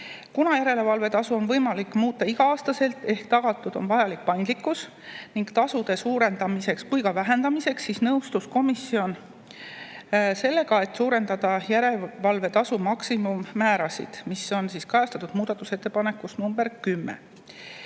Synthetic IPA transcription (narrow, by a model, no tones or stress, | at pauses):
kunɑjæɾe̞le̞vɑlve̞t̪ɑsuo̞nvɤjmɑlikːˑmuːt̪ˑːɑiɡ̥ɑɑːst̪ɑse̞lt̪ˑe̞hkt̪ɑɡ̥ɑt̪ːˑud̪̥o̞nvɑjɑlik̚pɑjnd̪likːˑus | niŋɡt̪ɑsud̪̥e̞suːɾe̞nd̪ɑmise̞kskujkɑvæɦe̞nd̪̥ɑmise̞ksːisnɤwst̪usko̞misːio̞n | se̞lːe̞ɡɑe̞t̪ːsuːɾe̞nd̪̥ɑd̪̥ɑjæɾe̞vɑlve̞t̪ɑsumɑksimumːæːɾɑsḭd̪̥miso̞nsiskɑjɑst̪ɑ̥t̪ud̪̥muːd̪̥ɑt̪ːˑuse̞t̪ːˑepɑne̞kːˑusnumb̥e̞rkymːḛ